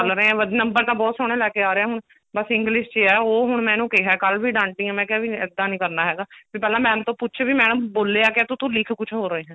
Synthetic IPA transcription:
əlɾəẽːɦɛ̃ːʋəd̪nəmbəɾt̪ãːbɔːt̪soːɽ̃ẽːlɛːkeːaːɾeɛːɦʊɳ | bəsɪ̃ŋɡlɪʃd͡ʒeːɛːoːɦʊɳmɛ̃ːnũːkeɦɛːkəlʋiːɖãːɳʈːiːɛ̃ːmɛ̃ːkɪːʋiːɪd̪ːaːnĩːkəɾnaːɦɛːɡaːbiːpɛːlãːmɛ̃ːmt̪õːpʊt͡ʃʰbiːmɛ̃ːñũːboːlːeːaːkɪɛt̪ʊt̪ũːlɪkʰkʊt͡ʃʰɦoːɾəeːɦɛ̃ː

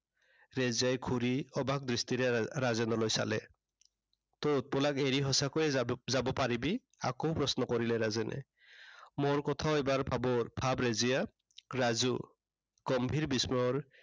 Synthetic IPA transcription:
ɹɛzijajkʰuɾiɔbak̚dɹistiɹɛɹazɛnɔlojsa̰lɛ | tot̚pɔlakeɹiɦɔsakɔjɛzabɔpaɹibi | a̰koʊpɹɔsnɔkɔɹilɛɾazɛnʔɛ̰ | moɹkɔt̪ʰaʊɛbaɹbabɔbʰʱabɹɛzija | ɹazu | ɡ̥ɔmbʱiɹbismɔɹ

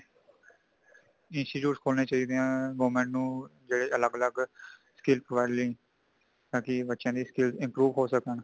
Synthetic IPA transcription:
ɪnsʈiːʈjuːʈskʰoːlneːt͡ʃaːiːd̪eãːɡoːmẽːɳʈnũːd͡ʒeːɽeːʔələɡələɡsə̥kɪlpɾoʋaːɪɖləĩː | t̪ãːkɪbətːʃãːd̪iːskɪlzɪ̃mpɾuːʋɦoːsəkəɳ

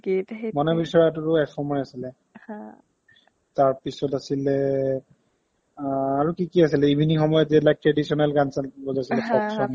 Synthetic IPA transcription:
kimɔnɛbisɔɹatutʊɛfʰɔmɔɹiasilɛ | h | taɹpisɔtasilɛ | aɹukikiasilɛibʱinixɔmɔjɔziɛlak̚tɹedisɔnɛlɡansalbɔzasilɛpɔksɔn

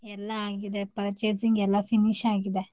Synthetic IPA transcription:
ɛlːaaːɡid̪epɾɐt͡ʃeːd͡ʒiŋɡɛlːapʰiniʃaːɡid̪e

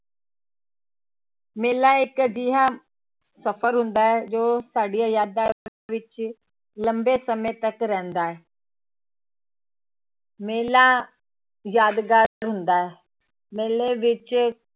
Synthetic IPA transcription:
meːlaɪkd͡ʑiɦa | sɐfəɾɦũːn̆d̪aːɦed͡ʑoːsaːɖijajaːd̪aɾʋɪt͡ɕ | lɐ̃mbesɐmet̪ɐkɾɐɦə̃n̆d̪aːɦe | meːla | jaːd̪ɡaːɾɦũːnd̪aːɦe | meːleʋɪt͡ɕɪ

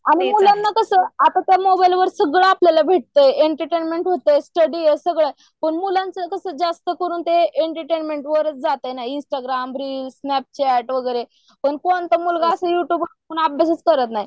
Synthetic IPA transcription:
aɽ̃imulanːakəsəːat̪at̪jamobajlʋəɾsəɡɭəapljalabʱeʈ̚t̪əjeɳʈəɾʈenmeɳʈɦot̪əjsʈəɽiesəɡɭaj | pəɳmulãnt͡səkəsəːd͡zast̪əkəɾuːnt̪eeɳʈəɾʈenmeɳʈʋəɾət͡sd͡zat̪enainsʈaɡɾambɾisnæp̚t͡ɕæʈʋəɡəjɾe | pəɳkont̪əmulɡaːsəjuʈjuːbkakuːnabes̬ət͡skəɾət̪naɦi

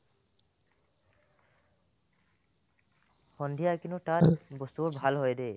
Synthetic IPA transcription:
hɔnd̪ʱijakinuʈabɔst̪uɔbʱalɦɔjd̪e

